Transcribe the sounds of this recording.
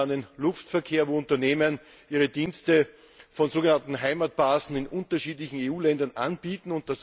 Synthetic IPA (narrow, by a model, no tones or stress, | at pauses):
nənlʊftfɛɐkʰeːɐvoːʊntɐneːmən | ʔiːʁədiːnstə | fɔnzoːɡənantn̩ɦaɪmat̚b̥aːsn̩ɪnʔʊntɐʃiːtlɪçn̩eːuːlɛndɐnʔanb̥iːtn̩ʊnt̚d̥as